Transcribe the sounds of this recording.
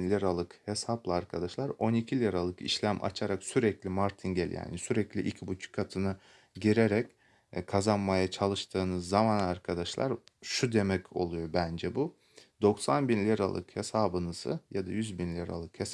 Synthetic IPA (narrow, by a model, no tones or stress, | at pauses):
nlʲiɾalˠɯkhesaplˠaːɾkʰad̪aʃlˠaɾo̞nicʰilʲiɾalˠɯkḭʃlʲæmʔa̰t͡ʃʰaɾaksyɾɛclʲimaɾt̪ʰinɟel̰ʲja̰ːnisyɾɛclʲiʔicʰibut͡ʃʰu̥kʰːat̪ʰɯnɯ | ɟiɾeɾɛc | kʰazanmajat͡ʃʰalˠɯʃt̪ʰɯːnɯzːamanaɾkʰad̪aʃlˠa̰ɾʃud̪emɛco̞̰lˠujo̞bænd͡ʒɛbu | d̪o̞ksanbinlʲiɾa̰lˠɯ̰khesaːbɯnɯsɯ̰jad̪ajyzbinlʲiɾa̰lˠɯkhes